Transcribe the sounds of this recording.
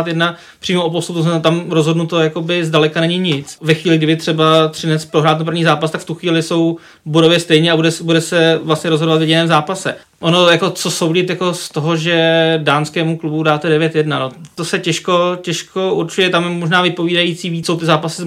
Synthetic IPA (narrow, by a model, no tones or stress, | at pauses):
t̪jɛdna | pr̥iːmoʔop̬ost̪ut̪usɛt̪amɾozɦo̞dnut̪o̞jako̞bɪzdalɛkanɛɲɪɲɪt͡svɛxʋiːlɪɡdɪbɪt̪r̥ɛbat̪r̥ɪnɛt͡spɾoɦɾaːt̪napr̩vɲiːzaːpast̪akft̪uxviːlɪso̞w | bodovjɛst̪ɛjɲɛabudɛsbudɛsɛvlast̪ɲɛɾozɦodovat̪vjɛɟɪnɛːmzaːpasɛ | ʔono̞jako̞t͡so̞so̞wɟɪt̪jako̞st̪oɦoʒɛdaːnskɛːmuklubudaːt̪ɛdɛvjɛt̪jɛdnanot̪osɛcɛʃkocɛʃko̞ʔuɾt͡ʃujɛt̪amjɛmo̞ʒnaːvɪpo̞viːdajit͡siːviːsowt̪ɪzaːpasɪz